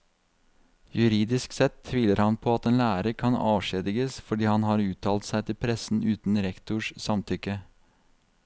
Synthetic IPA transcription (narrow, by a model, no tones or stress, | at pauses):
jʉɾiːd̪ɪsksɛt̪ʰːʋiːləɾhɑnpʰoːɑt̪eːnlæːɾəkʰɑnɑ̰ːʋʃeːd̪ɪɡəsfɔɖiːhɑnhɑːɾʉːt̪ʰɑːlt̪sæɪt̪ʰɪlpʰɾɛsn̩ʉːt̪n̩ɾɛkt̪ʊʂsɑmt̪ʰʏkə